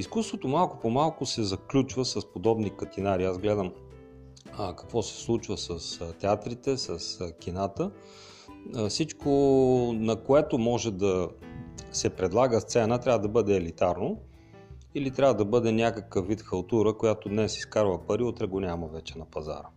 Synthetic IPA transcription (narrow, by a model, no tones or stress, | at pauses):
iskust̪vot̪omalˠkʊpomalˠkʊsɛzɐklʲut͡ʃvəsɐspod̪ɔbnikɐt̪inaɾiazɡlɛd̪əm | əkɐ̥kvɔsɛ̥slˠut͡ʃvəsəst̪ɛat̪ɾit̪ɛsəsk̟ʲinat̪ə | fsit͡ʃkʰonɐkoɛt̪omɔʒɛd̪ɐ | sɛpɾɛd̪lˠaɡəst̪sɛnət̪ɾʲavəd̪ɐbɤd̪ɛːlit̪aɾno | ilit̪ɾʲavəd̪ɐbɤd̪ɛnʲakəkəfːit̪xɐlˠt̪uɾəkojat̪od̪nɛsi̥skaɾvəpɐɾiot̪ɾɛɡonʲaməvɛt͡ʃɛnɐpɐza̰ɾə